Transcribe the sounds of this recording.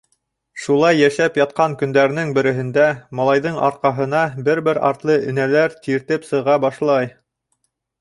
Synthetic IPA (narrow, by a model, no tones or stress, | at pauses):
ʃulˠɑjːæʃæpjɑt̪̚qɑŋkɵ̆nd̪æɾɘ̆nɘŋbɘ̆ɾɘ̆ɦɘ̆nd̪æmɑlˠɑjðɤɴɑ̰ɾ̚qɑɦɤ̆nɑbɘɾbɘɾɑ̰ɾt̪lˠɤɵ̆nælæɾt̪iɾt̪ɘpsɤ̆ʁɑbɑʃlˠɑj